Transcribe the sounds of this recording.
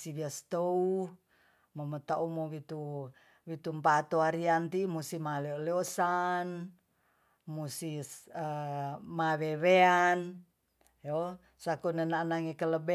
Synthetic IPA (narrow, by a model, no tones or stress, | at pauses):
siβiast̪ou | momət̪aumowit̪u | wit̪umpat̪oaɾiant̪imusimaleoleosan | musiəmaweβean | jo | sakunənanaŋikələbe